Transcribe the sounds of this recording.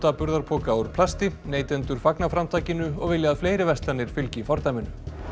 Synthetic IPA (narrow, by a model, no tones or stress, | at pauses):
t̪apʏɾðaɾpʰɔːkawɾ̥pʰlast̪ɪneːjt̪ɛnt̪ʏɾ̥faknafɾamt̪ʰaːjcɪnʏɔɣvɪljɪaaðfleːjɾɪvɛst̪lanɪɾ̥fɪlcɪfɔɾt̪ajmɪnʏ